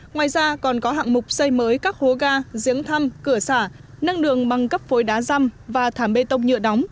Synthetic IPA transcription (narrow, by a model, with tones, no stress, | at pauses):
ŋwaː˨˩jzaː˧kɔ˨˩nkɔ˨˦ɦa̰ː˧˨ŋmʊ˨˩k͡p̚sə˧jməː˨˦jkaː˦˥k̚ho˨˦ɣaː˧zi˨˦əŋt̪ʰa˧mkɨ˧˩əsaː˧˩ | na˧ŋɗɨ˨˩əŋɓa˨˩ŋkə˦˥p̚fo˨˦jɗaː˨˦za˧mvaː˨˩t̪ʰaː˧˩mɓe˧t̪ə˧wŋ͡mɲɨ̰˧˨əɗɔ˨˦wŋ͡m